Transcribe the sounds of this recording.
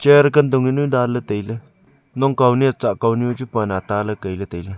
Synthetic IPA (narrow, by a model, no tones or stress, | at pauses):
t͡ʃeɾkənd̪uŋinudalət̪əjlə | noŋkawniat͡saʔkawniot͡ʃupanat̪aləkəjlət̪əjlə